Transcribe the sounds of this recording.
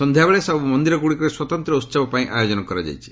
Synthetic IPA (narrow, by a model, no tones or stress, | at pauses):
sɔnd̪ʱjabeɭesɔbbɔmɔnd̪iɾɔɡuɽikɔɾeswɔt̪ɔnt̪ɾɔut̪ːsabɔpaĩʔajod͡ʒɔnɔkɔɾad͡ʒa̰jt͡ʃʰi̥